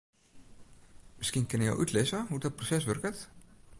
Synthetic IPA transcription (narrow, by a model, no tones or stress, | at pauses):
mɪskinkɪnəjɔ̰wʔœt̪ʰlesəɦudɔt̚prosɛsʋɵrkət̪